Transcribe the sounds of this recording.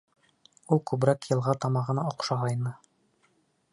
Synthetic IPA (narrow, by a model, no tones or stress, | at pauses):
ulˠkʉbɾækjɤ̆lˠʁɑt̪ɑmɑʁɤ̆nɑoqʃɑʁɑjnɤ